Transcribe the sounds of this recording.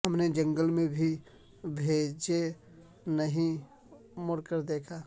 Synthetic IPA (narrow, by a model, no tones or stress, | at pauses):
ɦəmned͡ʒə̃ŋɡəlmẽbʱi | bʱed͡ʒe | nəɦĩ | moɾkəɾd̪eːkʰa